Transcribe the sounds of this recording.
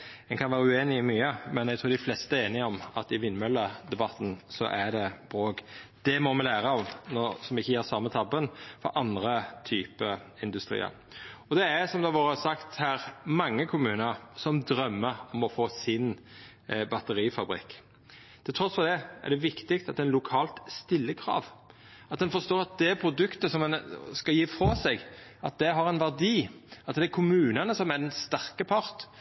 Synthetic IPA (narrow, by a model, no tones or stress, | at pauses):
ɛnŋkʰɑnʋæːɾəʉeːnɪmyːəmɛnæɛɡ̚t̪ɾuːd̪ɪflɛst̪əæeːnɪɔmɑt̪ɪʋɪnːmœlːəd̪ɛbɑt̪n̩sɔ̰ʔæɖɛb̥ɾoːɡd̪̥ɛmɔmɛlæːɾəɔʋnɔsɔmɪçːəjæːsɑmːət̪ʰɑbənfɔ̰ʔɑnd̪ɾət̪ʰyːpəɪnd̪ʉst̪ɾḭːə̰ɾ | ɔd̪ɛæsɔmd̪ɛʋoːɾəsɑkt̪hæːɾmɑŋːəkʰʊmʉːnəɾsɔmd̪ɾœmːəɔmɔfoːsɪn | bɑt̪əɾiːfɑbɾɪ̰kː | t̪ʰɪlt̪ʰɾɔsfɔd̪ɛæ̰ɖ̪ɛʋɪkt̪ɪksɑt̪̚d̪ɛɛnlʊkʰɑːlt̪st̪ɪlːəkʰɾɑ̰ːʋ | ɑt̪̚d̪ɛnfɔst̪oːɾɑt̪̚d̪ɛpʰɾʊd̪ʉkt̪əsɔmɛnskɑjiːfɾɑːsɛɡɑt̪̚d̪ɛɦɑʁɛnʋæʁd̪iːɑt̪d̪ɛækʰʊmʉːnənəsɔmæd̪ɛnst̪æʁkəpʰɑɾt̪